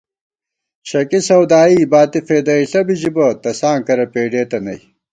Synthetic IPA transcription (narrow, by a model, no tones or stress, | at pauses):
ɕɐkisɐwd̪aːibaːt̪ifeːd̪ɐiɬɐbid͡ʑibɐt̪ɐsaːŋkɐɾɐpeːɖeːt̪ɐnɐ̰j